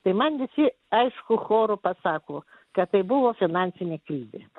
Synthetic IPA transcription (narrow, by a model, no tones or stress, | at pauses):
t̪ɐɪmɐnʋʲɪsʲɪ | ɐɪʃkʊxoːɾʊpɐsɑːkoː | kɐt̪tɐɪbʊʋoːfʲɪnɑnʲsʲɪnʲeːkɾʲiːzʲḛː